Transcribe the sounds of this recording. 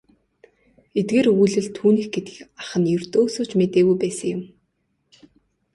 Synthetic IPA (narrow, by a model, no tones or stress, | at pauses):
et̪̚ɡeːrujɮɘ̆ɮt̪ʰuːniːxɡet̪ɘ̆kxaχə̆njɵr̥t̪oːsoːt͡ɕmet̪eːɣujpæːsə̆ŋjʊm